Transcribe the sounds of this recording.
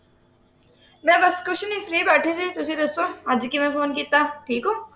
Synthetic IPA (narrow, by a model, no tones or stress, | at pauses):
mɛ̃ːbɐskʊt͡ʃʰnĩːfɾiːbaːʈʰisit̪ʊsid̪ɐsõad͡ʒkimɛ̃foːnkit̪ːaːʈʰiːkoː